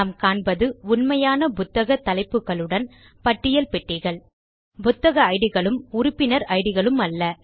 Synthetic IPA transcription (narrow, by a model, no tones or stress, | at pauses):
aːmkaːɳbɐðɯʊnmɐjaːnɐpʊt̪ːɐɣɐt̪ːɐlɐɪpːɯɣɐɭɯɽɐn | pɐʈːɪjɐlpɛʈːiːɣɐɭ | bʊt̪ːɐɣɐɐɪɽɯɣɐɭɯmʊɾʊpːɪnɐɾɐɪɽɯɣɐɭɯmɐlːɐ